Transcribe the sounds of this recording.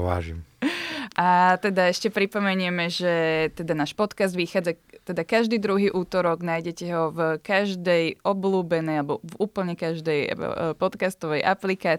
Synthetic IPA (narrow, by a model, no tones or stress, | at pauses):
ʋa̰ːʒḭm | ʔat̪ɛd̪aɛʃcɛpɾipɔmɛɲʊɛmɛʒɛt̪ɛd̪anaːʃpɔt̪kazd̪ʋixaːd͡zat̪ɛd̪akaʒd̪iːd̪ɾuɦiːʔuːt̪ɔɾɔɡnaːjɟɛcɛɦɔvkaʒd̪ɛjʔɔbluːbɛnɛjalɛbɔvuːpl̩ɲɛkaʒd̪ɛj̰pɔt̪kast̪ɔʋɛjʔa̰plikaː